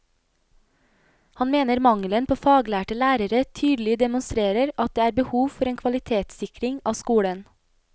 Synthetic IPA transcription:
hɑnmeːnəɾmɑŋlənpʰoːfɑːɡlæːʈəlæːɾəɾət̪ʰyːd̪l̩ɪd̪ɛmʊnst̪ɾeːɾəɾɑt̪̚d̪eːæːɾbəhuːʋfɔɾeːnkʰʋɑlɪt̪ʰeːt̪sɪkɾɪŋɑːskuːɽən

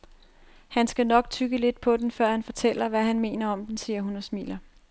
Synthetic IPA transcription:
hænsɡ̥ænɒ̽ɡ̥̚t͡sʰyɡ̥əle̝d̥̚pʰɒ̽d̥enfɶɐ̰hænfɒ̽t͡sʰel̰ɐʋæɦænme̝̰ːnɐɒ̽md̥ensiːɐɦunɒ̽smḭːlɐ

